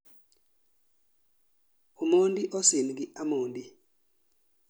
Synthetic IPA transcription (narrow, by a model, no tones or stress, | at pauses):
umondiʔɔsinɡɪʔamondi